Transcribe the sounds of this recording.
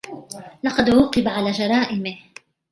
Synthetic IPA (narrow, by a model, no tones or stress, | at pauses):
lɑqɑd̪wuːqɨbaʕalaːd͡ʒɑɾˤɑːʔɪmɪh